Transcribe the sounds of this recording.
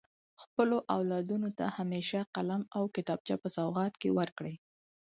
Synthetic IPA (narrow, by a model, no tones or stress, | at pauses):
xpəloʔawlɑd̪unot̪a̰hameʃaqalamawkɪt̪ɑb̚t͡ʃa̰pəsawɣɑt̪kḛwəɾkɽəj